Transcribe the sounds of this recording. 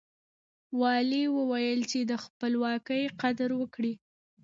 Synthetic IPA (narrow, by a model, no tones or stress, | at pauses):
wɑliwəwajəlt͡ʃed̪əxpəlwɑkəjqad̪ɾwəkɽi